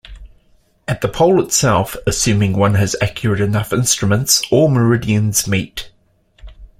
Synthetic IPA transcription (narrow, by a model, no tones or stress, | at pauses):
əʔ̪̚ðəpʰɒʊlˠɪtsɛlˠfəsʉːmɪ̃ŋwʌ̃nəzækʰjəɹəɾɪnʌfɪ̃nstɹ̥əmə̃ntsəməɹɪdiə̃nz̥miˑt